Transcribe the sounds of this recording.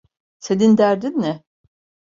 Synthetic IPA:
sed̪ind̪æɾd̪inmɪ

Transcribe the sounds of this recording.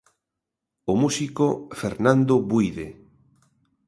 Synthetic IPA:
omusikofeɾnãnd̪oβujðe

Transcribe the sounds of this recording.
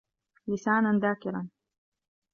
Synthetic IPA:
lɪsaːnand̪aːkɪɾa̰n

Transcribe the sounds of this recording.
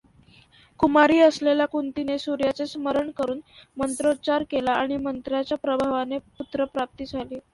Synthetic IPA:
kumaɾiːəslelakunt̪inesuɾjat͡sesməɾəɳkəɾuːnmənt̪ɾot͡ɕaɾkelaaɽ̃imənt̪ɾjat͡ɕjapɾəbʱaʋaneput̪ɾəpɾap̚t̪iːd͡zʱaliː

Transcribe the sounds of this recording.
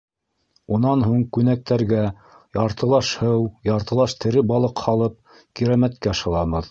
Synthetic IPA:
unɑnɦuɴkʉnæk̚t̪æɾɡæ | jɑɾt̪ɤ̆lˠɑʃhɤwjɑɾt̪ɤ̆lˠɑʃt̪ʰɘ̆ɾɘbɑlˠɤqhɑlˠɤp̚ | kiɾæmæt̪̚kæʃɤ̆lˠɑβɤð

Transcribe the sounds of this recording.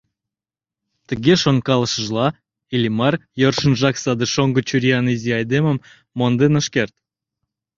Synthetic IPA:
t̪ə̆ɣeʃoŋkɑlˠəʃə̆ʒlˠɑ | ilʲimɑrjorʃə̆nʒɑksɑd̪əʃoŋɡə̆t͡ɕuɾʲiɑniziɑjd̪eməmː | ond̪enə̆ʃkert̪̚

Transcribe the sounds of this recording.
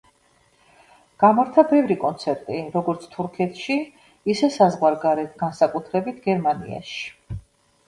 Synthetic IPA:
ɡ̥amaɾt̪ʰabɛvɾikʼɔnt̪sʰɛɾt̪ʼiɾɔɡɔɾt̪sʰt̪ʰuɾkʰɛt̪ʰʃi | isɛsazʁwaɾɡaɾɛt̪ʰɡansakʼut̪ʰɾɛbit̪ʰɡɛɾmanḭa̰ʃi̥

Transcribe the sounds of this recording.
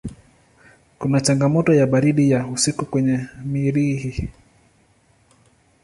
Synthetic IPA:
kunat͡ʃaŋɡamɔtɔjaɓaɾiɗijausikukwɛɲɛmiɾihi

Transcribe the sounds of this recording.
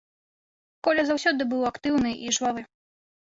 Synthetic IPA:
kɔlʲɐzawsʲɔd̪ɨbɨwakt̪ɨwnɨʔiʐvavɨ

